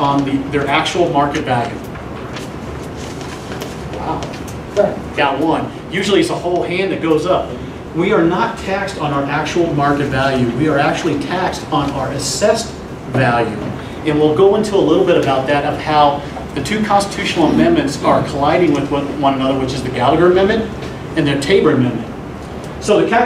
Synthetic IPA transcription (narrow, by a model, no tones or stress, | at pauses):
n̩ðiðə˞ʔæk̚t͡ʃul̩ˠmɑɹkɨtvælˠjʉ̰ | waʊ | at̚ɡ̥at̚wʌ̃n | jʉʒl̩ˠiɨtsəhoʊlˠhæ̃nðɨt̚ɡ̥oʊzʌp̚ | wiə˞nətʰækstn̩ʊə˞ʔæk̚t͡ʃul̩ˠmɑɹkɨtvælˠjʉwiə˞æk̚t͡ʃʉl̩ˠitʰækstn̩ə˞ɨsɛst̚ | vælˠjʉ̰ | ɨ̃nwilˠɡoʊɪ̃ntʰuəlɪɾl̩ˠbɪɾɨbaʊt̪̚ðɨɾʌv̥haʊ | ðɨtʰʉkʰɑ̃nstə̥tʰʉʃn̩l̩ˠəmɛ̃nmɨ̃ntsə˞kʰəlaɪɾɪ̃ŋwɨðwʌwʌ̃ñənʌðə˞wɨt͡ʃɨzðɨɡælˠəɡə˞ɨmɛ̃nmɨ̃nt | ɨ̃nðə˞tʰeɪbə˞ɨmɛ̃nmɨ̃nt | soʊðɨkʰæ